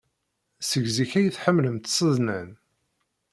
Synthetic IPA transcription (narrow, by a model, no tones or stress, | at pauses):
səʝziçæjəθħəmːləmt̪sˤəðˤnæn